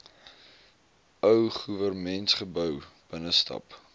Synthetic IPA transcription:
œwχuvərmɛntχəbœwb̥ənəstɐ̰p

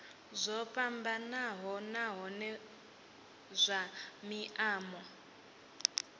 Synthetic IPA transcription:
zʷɔpambanaɦɔnaɦɔnɛ | zʷamiʔaːmɔ

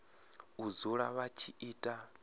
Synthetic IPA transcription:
uzuɺaβat͡ʃʰiiːtʼa

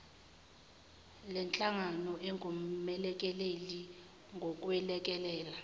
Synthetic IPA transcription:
lɛnt͡ɬʼaŋanɔʔeŋʱumɛlɛk̬ʼɛleli | ŋɡʱokʼwɛlɛk̬ʼɛlɛːla

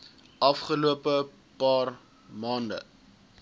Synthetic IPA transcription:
ʔɐfχəluəpə | pɑːr | mɑːndə̰

